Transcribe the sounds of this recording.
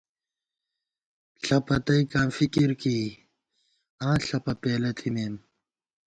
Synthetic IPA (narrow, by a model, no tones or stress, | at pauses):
ɬɐpɐt̪ɐikãːmfikiɾkiː | ãːɬɐpɐpeːlɐt̪ʰimeːm